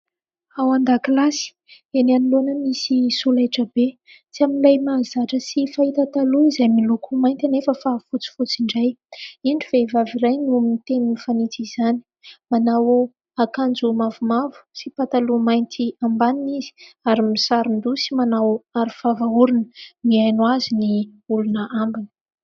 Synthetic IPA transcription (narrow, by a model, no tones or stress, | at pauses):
awand̪akilasi̥ | enaniloanəmisisulaʈ͡ʂəbe | t͡siaminlajmaːzaʈ͡ʂəsifait̪at̪aluizamilukumajnt̪anefəfafut͡si̥fut͡siɳɖ͡ʐajiɳɖ͡ʐivevaviɾajnumit̪eninifanit͡siz̥ani | manaw | akand͡zumavumavu̥sipat̪alumajnt̪ʰiambaninizi̥aɾimisaɾund̪usimanawaɾifavauɾinə̥miajnuaziniulunəʔambinə̥